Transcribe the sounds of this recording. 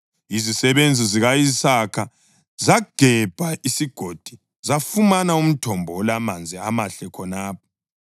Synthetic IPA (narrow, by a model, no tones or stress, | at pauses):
izisɛβend͡zʱiziɣajisakʰa | zaɡ̥ʱɛb̥ʱaʔisiɡ̥ʱod̥ʱi | zafumanaum̩tʰɔmbʱɔɔlamand͡zʱiamaɬɛkʰɔnaːp̚ʰɔ̥